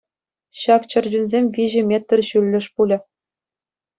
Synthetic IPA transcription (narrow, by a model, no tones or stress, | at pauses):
ɕɑkt͡ɕɤ̆rʲd͡ʑunʲzʲemʲʋʲiʑɘ̆mʲet̪ʲːɘ̆rʲɕylʲːɘ̆ʂpulʲɘ̆